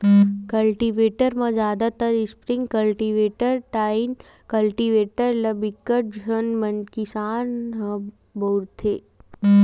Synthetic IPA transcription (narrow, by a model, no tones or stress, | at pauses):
kɐlʈiʋeːʈəɾmãzjaːd̪at̪əɾɪspɾɪŋɡkɐlʈiʋeːʈəɾʈaːɪn | kɐlʈiʋeːʈəɾlɐbikːəʈ̚d͡ʒʱənmɐnkisaːnɦɐ̃ | bəuɾt̪ʰeː